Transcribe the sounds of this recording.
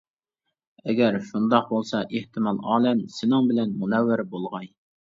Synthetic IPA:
ɛɡʲæɾʃund̪ɑq̚bolˠsɑʔeht̪ɪmɑlˠɑːlɛmsɪnɪŋbɪlɛnmunɛwːɪɾbolˠʁɑj

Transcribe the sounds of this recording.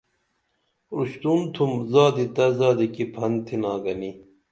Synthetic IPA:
uɕt̪unt̪ʰumzaːd̪it̪ɐzaːd̪ikipʰɐnt̪ʰinaːɡɐni

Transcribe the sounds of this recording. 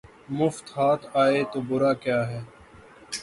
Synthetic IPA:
mʊft̪haːt̪ʰaːeːt̪oːbʊɾaːkjaːɦɛː

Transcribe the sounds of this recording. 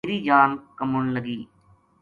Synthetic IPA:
ɾiːd͡ʒaːnkəmʊɳləɡiː

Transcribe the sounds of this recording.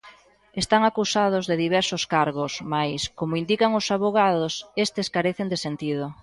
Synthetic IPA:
est̪aŋakusað̞ʊzðeðiβ̞ɛɾsoskaɾɣosmajskomoind̪ikaŋʊsaβoɣ̞aðosest̪eskaɾeθend̪esent̪iðo

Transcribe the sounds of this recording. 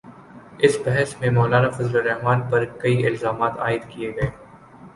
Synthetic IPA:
ɪsbɛɦɛsmẽmɔːlaːnafɐzloɾɛɦmaːnpɐɾkɐiɪlzaːmaːt̪aːɪd̪kieɡɐeː

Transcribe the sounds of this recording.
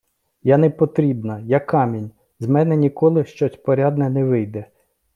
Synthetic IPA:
janɛpɔt̪ɾʲibnɐjakːɑmʲinʲ | zmɛnɛnʲikɔlˠɪʃt͡ʃɔtʲpɔɾʲɑd̪nɛnɛʋɪjd̪ɛ

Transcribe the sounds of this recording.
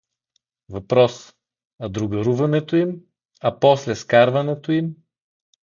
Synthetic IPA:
vɐpɾɔs | ɐd̪ɾʊɡɐɾuvɐnɛt̪oim | ɐpɔslɛskaɾvɐnɛt̪oim

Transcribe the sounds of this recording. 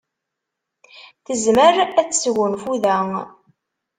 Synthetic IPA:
θəzməɾæt͡sːsɣʊnfuðæ

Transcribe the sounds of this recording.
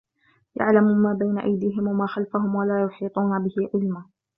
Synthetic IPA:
ja̰ʕlammaːbajnaʔajd̪iːɦɪmwamaːxalfaɦʊmwalaːjʊħiːt̪ˤuːnabɪhɪʕɪlmaː

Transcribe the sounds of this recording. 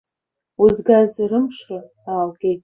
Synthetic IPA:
uzɡazrɨmʂra | aːlɡʲejtʼ

